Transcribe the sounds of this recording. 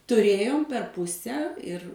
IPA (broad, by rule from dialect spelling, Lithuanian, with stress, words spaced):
tʊˈrʲeːjoːm pʲɛr ˈpʊsʲɛ ɪr